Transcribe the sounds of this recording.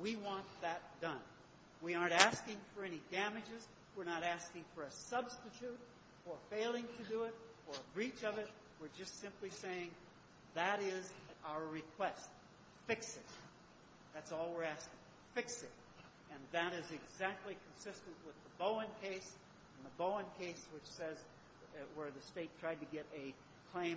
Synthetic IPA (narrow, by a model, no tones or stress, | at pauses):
wiwɑ̃nðɨt̚d̥ʌ̃n | wiɑɹntæskɪ̃ŋfə˞ɛñidæmɨd͡ʒɨz | wɨɹnəɾæskɪ̃ŋfə˞ɨsʌbstɨtʰʉt | ə˞feɪlˠɪ̃ŋtʰɨdɨɪɾə˞əbɹit͡ʃʌvɨt̚ | wɨɹd͡ʒʌstsɪ̃mpliseɪɪ̃ŋ | ðɨɾɪzaʊə˞ɹɨkʰw̥ɛst̚ | fɪksɪt̚ | ðætsɔlˠwɪɹæskɪ̃ŋ | fɪksɪt̚ | ɨ̃nðɨɾɨzɨɡzæk̚tˡlikʰn̩sɪstɨ̃nʔwəðəboʊɨ̃nkʰeɪs | ɨ̃n̩ðəboʊə̃nkʰeɪswɨt͡ʃsɛz | wə˞ðɨsteɪtʰɹ̥aɪd̚tɨɡɛɾɨ | kʰl̥ẽɪ̃